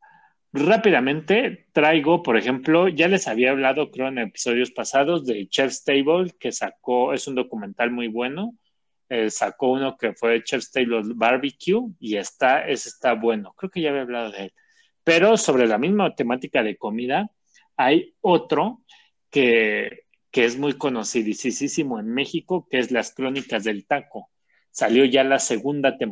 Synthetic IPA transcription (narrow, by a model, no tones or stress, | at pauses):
rapiðamẽ̞nt̪e̞t̪ɾajɣo̞po̞ɾe̞xe̞mplo̞ʝale̞saβiaːβ̞laðo̞kɾe̞oene̞pi̥so̞ð̞jo̞spasaðo̞zðe̞t͡ʃefst̪ejβolke̞sak̚o̞e̞sund̪o̞kume̞nt̪almujβwe̞no̞ | esako̞uno̞ke̞fwe̞t͡ʃefst̪ejβolbaɾβikjuiest̪ae̞sest̪aβwe̞no̞kɾe̞oke̞ʝaβjaβlað̞o̞ðeel | pe̞ɾo̞so̞β̞ɾe̞lamizmat̪e̞mat̪ikað̞e̞ko̞miða | ajo̞t̪ɾo̞ | ke̞ | ke̞e̞zmujko̞no̞siðisisisimo̞e̞nme̞xiko̞kee̞zlaskɾo̞nikazðe̞lt̪ako̞ | saljo̞ʝalase̞ɣund̪at̪e̞m